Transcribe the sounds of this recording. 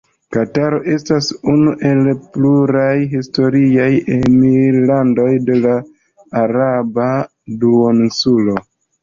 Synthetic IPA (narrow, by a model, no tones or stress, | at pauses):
kataɾo̞ʔe̞stasunuʔe̞lpluɾajɦisto̞ɾiajemiɾlando̞jde̞laː | ɾaba | duonsulo̞